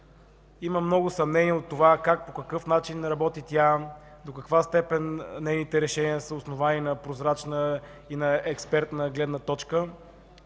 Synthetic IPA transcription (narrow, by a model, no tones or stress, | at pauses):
iməmnɔɡʊsɐmnɛniəot̪ːovakak̚pokɐkɤfnat͡ʃinɾɐbɔt̪it̪ʲad̪okɐkvast̪ɛpɛnnɛjnit̪ɛɾɛʃɛniəsəʊsnovaninɐpɾozɾat͡ʃnə | inɐɛkspɛɾt̪nəɡlɛd̪nət̪ɔt͡ʃkə